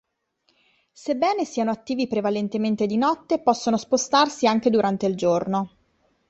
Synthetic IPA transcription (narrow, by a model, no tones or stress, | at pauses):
sebːɛːnesiːanoat̪ːiːvipɾevalent̪ement̪ed̪inɔt̪ːepɔsːonospost̪arsiaŋk̟ed̪uɾant̪eild͡ʒorno